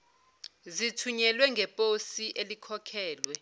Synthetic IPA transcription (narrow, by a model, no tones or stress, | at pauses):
zitʰuɲɛlwɛŋɡʱɛpʼosiʔelikʰɔkʰɛːlwɛ